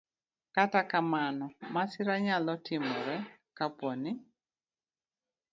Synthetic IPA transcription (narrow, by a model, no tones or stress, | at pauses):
katakamanɔmasɪɾaɲalɔtɪmɔɾɛkapwɔnɪ